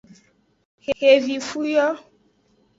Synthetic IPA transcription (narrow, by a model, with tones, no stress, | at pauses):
hhe˨vi˨fu˦jɔ˦